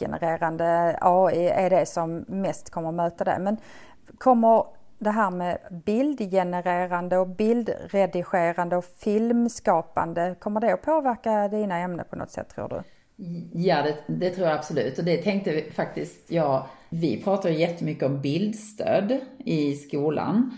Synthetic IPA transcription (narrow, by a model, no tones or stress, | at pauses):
ɛ̰nə̰ɾeːɾand̪əɑːɪæɖɛsɔmːɛst̪kʰɔmːəɾɔmøːt̪ad̪ɛ̰mɛn | kʰɔmːəɾ | d̪ɛɦæːɾmɛbɪld̪jɛnəɾeːɾand̪əɔbɪld̪ɾɛd̪ɪɧeːɾand̪əɔfɪlmskɑːpa̰nd̪əkʰɔmːəɖ̪ɛɔpʰoːvæɾkad̪iːnaɛmnə̰pʰɔnɔ̰t̪sɛ̰t̪ʰːɾṵːɖɵ̰ | jad̪ɛd̪ɛt̪ʰɾuːɾjaabsɔlʉ̟ːt̪ːɔd̪ɛt̪ʰɛŋk̚t̪əfak̚t̪ɪst̪ʰjɑː | vɪ̰pʰɾɑːt̪ajɵjɛt̪ʰːəmʏkːəɔmbɪld̪st̪ʰø̰ːd̪ɪskuːla̰n